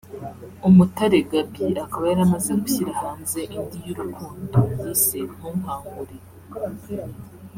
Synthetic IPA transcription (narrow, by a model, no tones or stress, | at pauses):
umutaɾeɡabiʔakaβajaɾamazeɡuçiɾahaːnze̞ʔindijuɾukʰuːndowisem̥uːŋ̥aːŋɡuɾe